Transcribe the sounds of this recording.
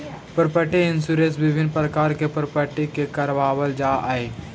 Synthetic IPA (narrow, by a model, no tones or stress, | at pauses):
pəɾpəʈeɪnsuɾesbɪbʱɪnpɾəkaːɾkepəɾpəʈikekɐɾʋaːwəld͡ʒaːʔae